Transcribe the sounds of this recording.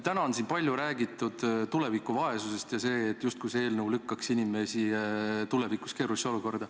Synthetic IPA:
t̪ænɑonsinpɑlʲjuɾæːɡit̪ːˑud̪̥t̪ule̞vikːˑuvɑe̞suse̞st̪jɑse̞ːt̪ːˑjust̪̚kujsee̞ːlnəwlykːɑksinʲime̞sit̪ule̞viku̥ske̞ːɾusio̞luko̞rd̪̥ɑ

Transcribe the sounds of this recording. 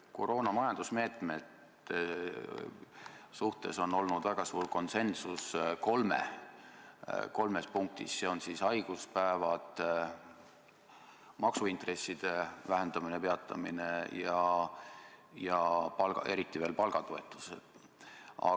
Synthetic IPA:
ko̞ɾo̞ːnɑmɑjɑnd̪̥usme̞ːt̪ˑme̞t̪ | e | suht̪e̞so̞no̞lnud̪̥væɡ̥ɑsuːrko̞nse̞nsusko̞lmḛ | ko̞lmespuŋk̚t̪ḭsse̞o̞nsisɑjɡ̥uspæevɑt̪ | mɑksuint̪re̞sːid̪̥e̞væɦend̪̥ɑminepe̞ɑt̪ːˑɑ̰mḭne̞jɑ | jɑpɑlɡɑʔe̞ɾit̪ːˑive̞ːlpɑlɡ̥ɑt̪oe̞t̪ːˑu̥sḛd̪̥ | ɑ̰

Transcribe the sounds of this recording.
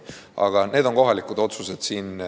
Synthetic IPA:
ʔɑ̰ɡ̥ɑne̞ːd̪o̞nko̞ɦɑlikud̪̥o̞t̪suse̞d̪̥siːn

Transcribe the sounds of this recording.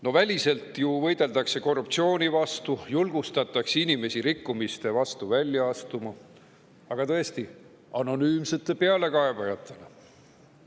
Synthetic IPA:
no̞vælʲise̞lt̪juvɤ̞jd̪e̞ld̪ɑkse̞ko̞rup̚t̪sio̞ːnʲivɑst̪ujulɡ̥ust̪ɑt̪ːˑɑksinime̞siɾikːumist̪e̞vɑst̪uvælʲjɑɑst̪umɑ | ɑɡ̥ɑt̪ɤ̞e̞st̪i | ɑno̞nyːmse̞t̪ːˑe̞pe̞ɑle̞kɑe̞bɑjɑt̪ˑːe̞le

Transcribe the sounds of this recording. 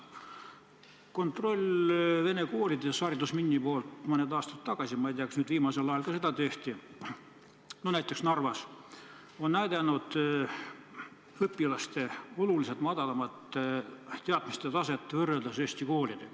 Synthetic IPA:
ko̞nt̪ro̞lʲve̞ne̞ko̞ːlʲid̪̥esɑːɾʲit̪usminʲːipo̞ːlt̪mɑnːed̪ɑːst̪ɑt̪ːɑɡ̥ɑsʲimɑijd̪iɑksnyːd̪viːmɑse̞lɑjɑlkɑse̞d̪ɑt̪e̞ht̪i | nonæjt̪ˑːeksnɑrvɑs | o̞nnæjd̪ænud̪̥ | ɤpːˑilɑst̪e̞o̞luliset̪mɑd̪̥ɑlɑmɑt̪ː | eɑt̪mist̪et̪ɑse̞t̪ːˑevɤrːeld̪ɑseːsʲt̪iko̞ːlʲid̪̥e

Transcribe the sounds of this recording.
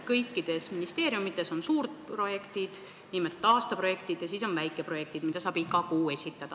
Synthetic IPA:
kɤjkːid̪̥e̞sminist̪e̞ːɾjumit̪ːˑe̞so̞nsuːrd̪̥̚pro̞je̞kt̪id̪̥ | niːmelt̪ːˑɑːst̪ɑpro̞je̞kt̪id̪̥jɑsiso̞nvæjkːˑe̞pro̞je̞k̚t̪id̥̪mid̪ɑsɑːb̥ikːˑɑkuːe̞sʲit̪ːˑɑd̪̥ɑ

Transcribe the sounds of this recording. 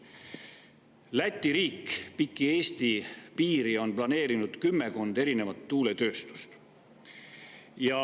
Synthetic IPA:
læt̪ʲːˑiɾiːkpikːˑie̞ːst̪ipiːɾio̞nplɑne̞ːɾinud̪̥kymːe̞ko̞nd̪e̞ɾine̞vɑt̪ːuːle̞t̪ø̞ːst̪u̥st̪ | jɑ

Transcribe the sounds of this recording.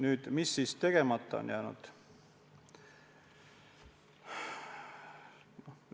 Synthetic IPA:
nyːd̪̥misːiːst̪e̞ɡ̥e̞mɑt̪ːˑɑo̰njæːnṵd̪̥ | no

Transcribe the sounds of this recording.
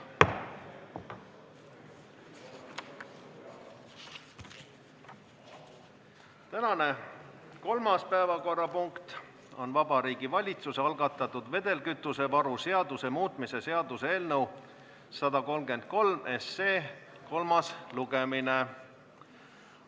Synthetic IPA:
t̪ænɑne̞ | ko̞lmɑspæevɑko̞rːɑpuŋkt̪ | o̞nvɑbɑɾiːɡ̥ivɑlʲit̪suseɑlɡɑt̪ːˑɑt̪ːˑud̪̥ve̞d̪̥e̞lkyt̪ːˑuse̞vɑɾuse̞ɑd̪use̞muːt̪ˑmise̞se̞ɑd̪usee̞ːlnəw | sɑd̪̥ɑko̞lmɡ̥e̞nd̪̥̚ko̞lme̞sːeː | ko̞lmɑsluɡ̥e̞mine

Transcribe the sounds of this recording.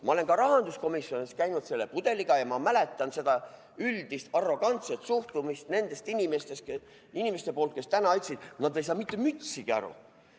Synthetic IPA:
mʔɑ̰o̞lenɡɑɾɑɦɑnd̪usko̞misjo̞niskæjnud̪̥se̞lːe̞pud̪̥e̞liɡ̥ɑjɑmɑmæle̞t̪ˑːɑnse̞d̪ɑ | yld̪̥ist̪ɑrːo̞ɡ̥ɑnt̪set̪suht̪umist̪ne̞nd̪̥e̞st̪inʲimest̪es | inimest̪e̞po̞ːlt̪ke̞st̪ænɑɑjt̪ʲsid̪̥nɑd̪̥ejsɑːmit̪ːe̞myt̪siɡ̥iɑ̰ɾṵ

